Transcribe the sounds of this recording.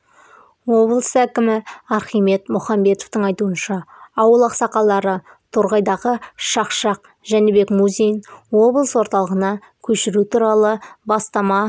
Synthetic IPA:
wo̞blˠəsækʲɪmɪɑɾχijme̞t̪mʊχɑmbe̞t̪oft̪əɴɑjt̪uənʃɑːwəlˠɑqsɑqɑlˠɑɾə | t̪ʰoɾʁɑjd̪ɑʁəʃɑqʃɑq̚ | ʒæne̞be̞kmuzʲejnwo̞blˠəswo̞ɾt̪ɑlˠəʁənɑ | kʲʰɵʃɪɾut̪ʰuɾɑlˠəbɑst̪ɑmɑ

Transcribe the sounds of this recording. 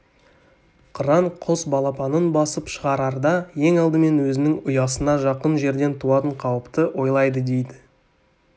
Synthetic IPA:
qʰəɾɑɴqʰosbɑlˠɑpɑnənbɑsəpʃəʁɑɾɑɾd̪ɑje̞ŋɑlˠd̪əme̞nwɵzɪnɪŋʊjɑsənɑʒɑqənʒe̞ɾd̪e̞nt̪ʰuɑt̪əɴqʰɑwəpt̪əʔwo̞jlˠɑjd̪əd̪e̞jd̪ɪ

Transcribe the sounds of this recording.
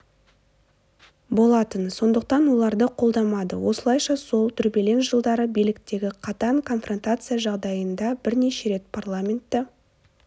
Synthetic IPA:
bo̞lˠɑt̪ənso̞nd̪əq̚t̪ɑnwo̞lˠɑɾd̪əqʰo̞lˠd̪ɑmɑd̪ə̰wo̞̰səlˠɑjʃɑso̞lˠt̪ʰʏɾbe̞le̞nʒəlˠd̪ɑɾəbijlɪkt̪e̞ɡʲɪqʰɑt̪ɑŋkʰo̞nfro̞nt̪at̪sɨjaʒɑʁd̪ɑjənd̪ɑbɪɾne̞ʃe̞ɾe̞t̪̚pʰarlˠamʲe̞nt̪ːɪ

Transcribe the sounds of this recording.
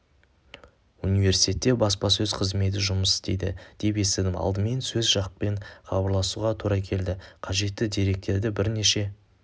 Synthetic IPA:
unive̞ɾsi̥jt̪ʲe̞t̪ːe̞bɑspɑsɵzqʰəzme̞t̪̬ɪʒʊməsɪ̥st̪e̞jd̪ɪ̰d̪̥e̞pe̞sed̪ɪmɑ̰lˠd̪əme̞nsɵzʒɑqpe̞ɴχɑbɑɾlˠɑsuʁɑt̪ʰuɾɑkʲʰe̞ld̪ɪqʰɑʒe̞t̪ːɪd̪e̞ɾe̞k̚t̪e̞ɾd̪ɪbɪɾne̞ʃe̞

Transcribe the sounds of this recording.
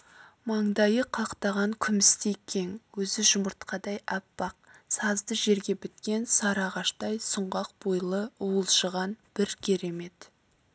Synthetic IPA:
mɑɴd̪ɑjəqʰɑqt̪ɑʁɑŋkʲʰʏmɪst̪ejkʲʰe̞ŋwɵzɪʒʊməɾt̪qɑd̪ɑjɑpːɑq̚sɑzd̪əʒe̞ɾɡʲe̞bɪt̪kʲe̞nsɑɾɑʁɑʃt̪ɑjsʊɴʁɑq̚b̥ojlˠəʊwəlˠʃəʁɑnb̥ɪɾkʲʰeɾe̞me̞t̪

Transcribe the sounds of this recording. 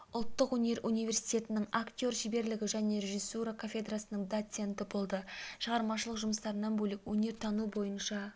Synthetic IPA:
ʊlˠt̪ːəqwɵne̞ɾʔunijvʲe̞rsijt̪ʲe̞t̪ɪnɪŋakt̪ʲio̞rʃibe̞ɾlɪɡʲɪʒæne̞ɾe̞ʒisːuɾakʰafʲe̞d̪rasənəɴd̪ot̪se̞nt̪ɪbo̞lˠd̪əʃəʁɑɾmɑʃəlˠəqʒʊməst̪ɑɾənɑnbɵlɪkwɵne̞ɾt̪ʰɑnubo̞jənʃɑ

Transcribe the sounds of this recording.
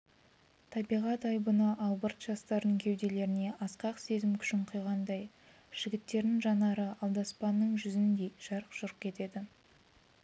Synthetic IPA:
t̪ʰɑbijʁɑt̪ɑjbənɑʔɑlˠbəɾt̪ʒ̥ɑst̪ɑɾd̪əŋkʲʰe̞wd̪e̞le̞ɾɪne̞ʔɑsqɑqse̞zɪmkʲʰʏ̥ʃɪɴqʰʊjʁɑnd̪ɑj | ʒ̥ɪɡʲɪt̪ːe̞ɾɪŋʒɑnɑɾəʔɑlˠd̪ɑspɑnːəɴʒʏzɪnd̪e̞jʒ̥ɑɾəqʒ̥ʊɾq̚kʲʰe̞t̪e̞d̪ɪ

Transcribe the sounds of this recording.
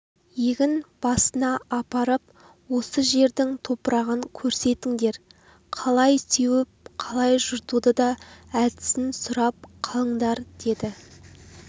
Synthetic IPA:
jeɡʲɪnb̥ɑsənɑɑpɑɾəp̚ | wo̞səʒe̞ɾd̪ɪŋt̪ʰo̞pɾɑʁəŋkʲʰɵɾse̞t̪ɪŋd̪e̞ɾ | qʰɑlˠɑjsewɪpqʰɑlˠɑjʒʊɾt̪ud̪əd̪ɑæd̪ɪ̥sɪnsʊɾɑp̚qʰɑlˠəɴd̪ɑɾd̪̥e̞d̪ɪ

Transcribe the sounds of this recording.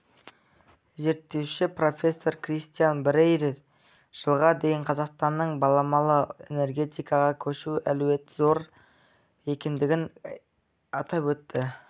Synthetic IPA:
ze̞ɾt̪ːe̞wʃɪpro̞fʲe̞sːo̞ɾkrist̪ijanbɾejɾef | ʒ̥əlˠʁɑd̪e̞jɪɴqʰɑzɑqst̪ɑnːəɴbɑlˠɑmɑlˠəe̞̰ne̞rɡʲe̞t̪ijkɑʁɑkʲʰɵʃuælwe̞t̪zo̞ɾ | e̞kʲe̞nd̪ɪɡʲɪn | ɑt̪ɑpwɵt̪ːɪ

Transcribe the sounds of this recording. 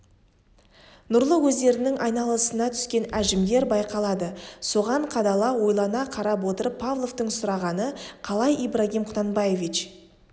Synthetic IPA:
nʊɾlˠəwɵzd̪e̞ɾɪnɪŋʔɑjnɑlˠəsənɑt̪ʰʏ̥skʲe̞næʒɪmd̪e̞ɾbɑjqɑlˠɑd̪əso̞ʁɑɴqʰɑd̪ɑlˠɑwo̞jlˠɑnɑqʰɑɾɑp̬wo̞t̪əɾəpʰːavlˠo̞vt̪əɴsʊɾɑʁɑnəqʰɑlˠɑjijbɾaɡʲimqʰʊ̥t̪ɑnbɑje̞vʲit͡ʃ

